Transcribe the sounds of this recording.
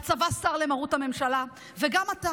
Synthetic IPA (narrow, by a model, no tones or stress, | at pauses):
t͡savastaʁle̞maʁutame̞mʃala | veɡamata